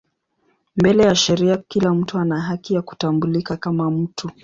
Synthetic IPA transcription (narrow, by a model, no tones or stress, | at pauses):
mbɛlɛjaʃɛɾiakilam̩tuanaɦakijaku̥tambulikakamam̩tʰu